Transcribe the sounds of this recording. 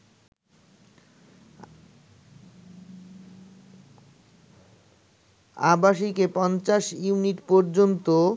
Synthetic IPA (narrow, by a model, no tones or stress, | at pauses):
abaʃikepɔnt͡ɕaʃjuniʈpɔɾd͡ʑont̪o